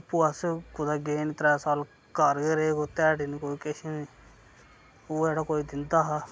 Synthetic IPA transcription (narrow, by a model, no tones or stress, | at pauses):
puːəskʊd̪aːɡeːnt̪ɾɛːsaːl | kəɾkeːɾekot̪ɛːʈinikoːikeʃeni | oːd͡ʒɛːɽaːkoːiːd̪ɪnd̪aːɦa